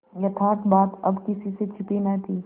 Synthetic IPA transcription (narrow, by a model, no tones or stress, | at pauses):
jɐt̪ʰaːk̪baːt̪ɐbkɪsiset͡ʃʰɪpinɐt̪ʰiː